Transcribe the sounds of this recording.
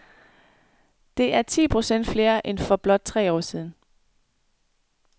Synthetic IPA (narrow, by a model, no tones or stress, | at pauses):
d̥e̝ʔæɐt͡sʰḭːpʰʁo̝sen̰d̥fle̝ːɐʔenfɒ̽b̥lɒ̽d̥̚t͡sʰʁɛ̰ːɒ̰ːsiːð̞ˠn̩